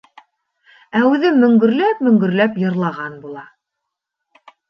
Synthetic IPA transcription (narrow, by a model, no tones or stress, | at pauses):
æʉðɘmɵ̆ŋɡɵ̆ɾlæpmɵ̆ŋɡɵ̆ɾlæpjɤ̆ɾlˠɑʁɑnbulˠɑ